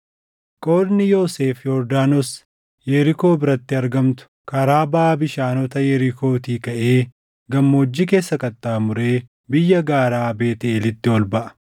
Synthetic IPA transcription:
kʼo̞ːd̪nɪjo̞ːseːfjoɾd̪aːnɔs | jɛɾɪko̞ːbɪɾɐt̪ːɪɐɾɡɐmt̪ʊ̥kʰɐɾaːbaːbɪʃaːnɔt̪ɐjɛɾɪkʰoːt̪iːkɐʔe̞ː | ɡɐmːoːd͡ʒːɪk̬e̞ːsːɐkʼɐt̪ʼːaːmʊɾe̞ː | bɪjːɐɡaːɾaːbe̞ːt̪ɪelɪt̪ːɪwɔlbɐʔɐ̥

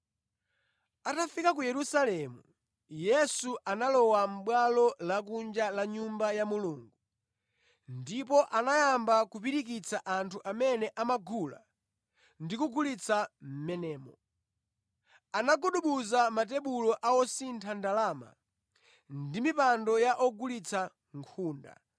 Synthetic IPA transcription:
atafikak̬ujɛɾusalɛmu | jɛsuʔanalɔwam̩ɓwalɔlak̬und͡ʒalaɲumbajamuluːŋɡu | ndipɔʔanajambakupiɾik̬it͡saʔantʰuʔamɛnɛʔamaɡula̰ | ndikuɡulit͡sʰam̩mɛnɛːmɔ | anaɡuɗuɓuzamat̬ɛɓulɔʔaɔsintʰandalaːma̰ | ndimipandɔjaʔɔɡulit͡sʰa | ŋkʰuːnda̰

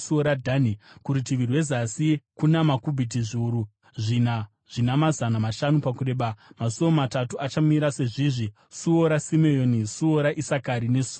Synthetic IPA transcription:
suoɾadʱanikuɾitiʋirwe̞zasikunamakubʱit̬iʐiuɾu | ʐina | ʐ̥inamazanamaʃanupakure̞ɓamasoʋomatatuʔat͡ʃamiɾase̞ʐiʐi | suoɾasimejonisuoɾaʔisakaɾine̞su

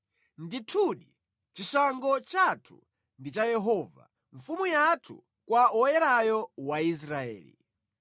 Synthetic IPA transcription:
nditʰuɗi | t͡ʃisaŋɡɔt͡ʃatʰu̥̰ | ndit͡ʃajɛɦɔva̰ | ɱfumujatʰṵ | kwaɔjɛɾajɔwais̬ɾaɛ̰ːlḭ

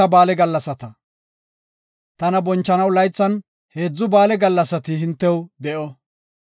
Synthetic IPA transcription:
ɐbaːlɛɡɐlːɐsɐt̪ɐ | t̪ɐnɐbɔnt͡ʃːɐnɐwlɐjt͡sːɐn | he̞ːd͡zːʊbaːlɛɡɐlːɐsɐt̪ɪɦɪnt̪ːɛwd̪ɛʔɔ

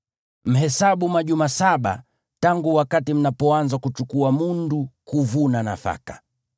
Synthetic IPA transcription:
m̩ɦɛsaɓumaʄumasaɓa̰ | taŋɡuwakatim̩napɔanzakut͡ʃukuamundukuvunana̰fa̰kḁ

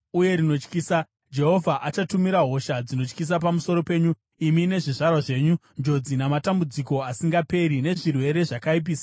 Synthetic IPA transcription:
uje̞ɾino̞t͡ʃkiːsa | d͡ʒe̞ɦo̞vʱaʔat͡ʃatumiɾaɦo̞ʃad͡zino̞t͡ʃkis̬ap̬amuso̞ɾo̞pe̞ːɲu | imine̞ʐiʐarwaʐe̞ːɲund͡ʒo̞d͡zinamatambud͡ziko̞asiŋɡape̞ɾine̞ʐirwe̞ɾe̞ʐakaip̬iːsḁ

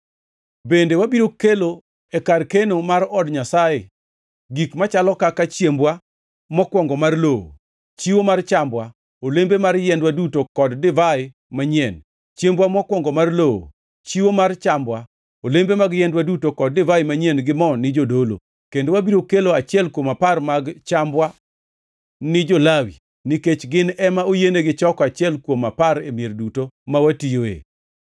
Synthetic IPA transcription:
bendewabiɾokelo | ekarkenomaɾɔdɲasajḛ | ɡikmat͡ʃalɔkakat͡ʃjembwa | mɔkwɔŋɡɔmarloo̰ | t͡ʃiwomart͡ʃambwa | olembemarjɛndwadutokɔddɪvaɪ | maɲjɛn | t͡ʃjembwamɔkwɔŋɡɔmarlowo̰ | t͡ʃiwomart͡ʃambwa | olembemaɡjɛndwadutokɔd̚dɪvaɪmaɲɛnɡɪmɔnɪd͡ʒodolo̰ | kendowabiɾokeloat͡ʃɪɛlkwomaparmaɡt͡ʃambwa | nɪd͡ʒolawḭ | nɪket͡ʃɡɪnɛmaojeneɡɪt͡ʃɔkat͡ʃɪɛlkwomapaɾemierdutomawatijoḛ

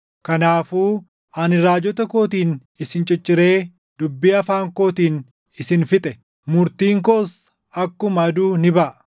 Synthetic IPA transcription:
kɐnaːfuː | ʔɐnɪɾaːd͡ʒɔt̪ɐko̞ːt̪iːn | ɪsɪnt͡ʃʼɛt͡ʃʼːɪɾe̞ː | d̪ʊbːiːɐfaːŋko̞ːt̪iːn | ɪsɪnfɪt̪ʼɛ | mʊɾt̪iːŋkoːs | ɐkːʊmɐɐd̪uːnɪbɐʔɐ

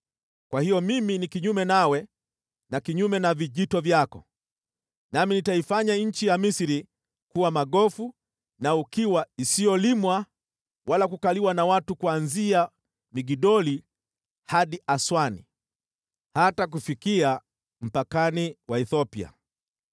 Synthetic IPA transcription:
kwahijɔmiminikiɲumɛnawɛ | nakiɲumɛnaviʄitɔvjakɔ | naminitaifaɲaɲ̩t͡ʃijamisiɾi | kuwamaɠɔfu | naukiwaisijɔlimwa | wʔalakukaliwanawatukuanzia | miɡiɗɔli | haɗiʔaswanḭ | hatak̬ufikia | m̩pakaniwaɛθɔpia̰

